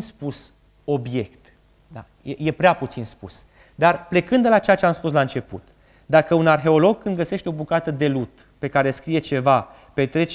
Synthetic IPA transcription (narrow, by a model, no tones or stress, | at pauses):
spus | o̞bje̞kt̪ | d̪a̰ | jeje̞pɾeaput̪sinspṵs | d̪arple̞kɨnd̪d̪elat͡ʃeat͡ʃeamspus̬laɨnt͡ʃe̞pṵt̪ | d̪akəunarxe̞o̞lo̞ɡ̚kɨnd̪̚ɡəse̞ʃt̪eo̞bukat̪əd̪e̞lut̪ | pe̞kaɾe̞skɾije̞t͡ʃe̞va | pe̞t̪ɾe̞t͡ʃ